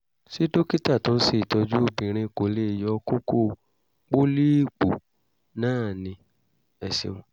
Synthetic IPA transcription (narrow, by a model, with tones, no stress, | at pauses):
si˦do˦ki˦ta˦˨tɔ̃˨˦si˦˨i˨tɔ˧d͡ʒu˦o˦bĩ˨ɾ̃ĩ˧˨ko˨˦le˦˨jɔ˧˦ko˦ko˦ | k͡po˦li˦˨k͡po̰˨ | nãː˦˨nĩ˧ | ɛ˨sḭ˧w̃ɔ̃˧˨